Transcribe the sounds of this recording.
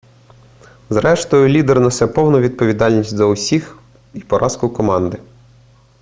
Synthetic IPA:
zɾɛʃt̪ɔjʊlʲid̪ernɔsɛpɔwnɐʋʲid̪̚pɔʋʲid̪ɑlʲnʲisʲtʲzɐʊsʲix | ipɔɾʔɑskʊkɔmɑnd̪ɪ

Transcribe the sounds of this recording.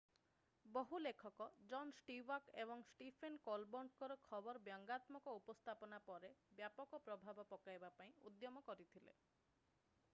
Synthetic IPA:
bɔɦulekʰɔkɔd͡ʒɔnsʈiwakebɔŋsʈipʰenkɔlbɔɳɖkɔɾɔkʰɔbɔɾɔbjɔŋɡat̪mɔkɔupɔst̪ʰapɔnapɔɾebjapɔkɔpɾɔbʱabɔpɔkajbapaĩṵd̪jɔmɔkɔɾit̪ʰilḛ

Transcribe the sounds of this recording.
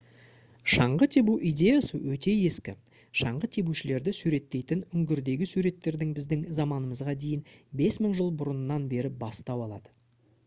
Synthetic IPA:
ʃɑɴʁət̪ʰe̞buʔijd̪ʲe̞jasəwɵt̪e̞je̞skʲɪ | ʃɑɴʁət̪ʰe̞buʃɪle̞ɾd̪ɪsuɾe̞t̪ːe̞jt̪ɪnʏŋɡʲɪɾd̪e̞ɡʲɪsuɾe̞t̪ːe̞ɾd̪ɪŋbɪzd̪ɪŋzɑmɑnəməzʁɑd̪e̞jɪnbe̞sməɴʒəlˠbʊɾʊnnɑnbe̞ɾɪbɑst̪ɑwɑlˠɑ̰d̪ə̥

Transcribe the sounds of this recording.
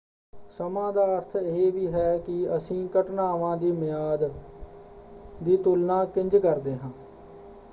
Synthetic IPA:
səmãːd̪aːəɾt̪ʰɪeːʋiːɦɛːkɪəsĩːkəʈnaːʋãːd̪iːmɪjaːd̪ | d̪iːt̪ʊlnãːkɪ̃ɲd͡ʒkəɾd̪eːɦãː

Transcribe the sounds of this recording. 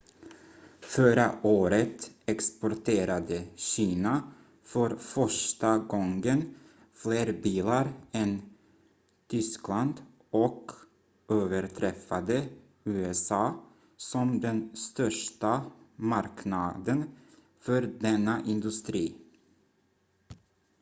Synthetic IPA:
fœɾaʔoːɾət̪ɛkspɔɾʈʰeːɾad̪əɕiːna | fœɾfœʂʈaɡɔŋɡən | fleːɾbiːlaɾɛn | t̪ʰʏskland̪ | ɔk | øːvəɾʈʰɾɛfad̪ə | ʉːɛsɑː | sɔmd̪ɛnst̪œʂʈamaɾknad̪ən | fœɾd̪ɛnːaʔɪnd̪ɵst̪ɾiː

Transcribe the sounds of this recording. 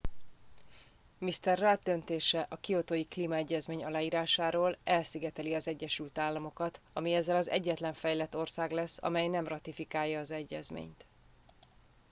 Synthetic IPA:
mist̪ɛrːad̪d̪ønt̪eːʃɛʔɒkio̞t̪oːjikliːmɒɛɟːɛzmeːɲɒlaːjiːɾaːʃaːɾoːlɛlsiɡɛt̪ɛliɒzɛɟːɛʃylt̪aːlːɒmo̞kɒt̪ | ɒmiɛzːɛlɒzɛ̰ɟːɛt̪lɛɱfɛjlɛt̪ːo̞rsaːɡlɛsːɒ̰mɛjnɛmrɒt̪ifikaːjːɒːzɛɟːɛ̰zmḛːɲt̪

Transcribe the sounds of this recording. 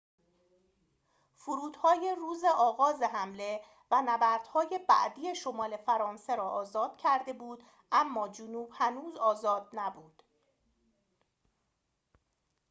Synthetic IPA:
fuɾuːd̪̥hɒːjeruːzeʔɒːɣɒːze̞ɦæmle̞ | vænæbæɾd̪̥hɒːje̞bæ̰ʔd̪ije̞ʃomɒːle̞fæɾɒːnse̞ɾɒːʔɒːzɒːd̪̥̚cʰæɾd̪e̞buːd̪ | ʔæmːɒːd͡ʒonuːbhænuːzɒːzɒːd̪̚næbuːd̪̥

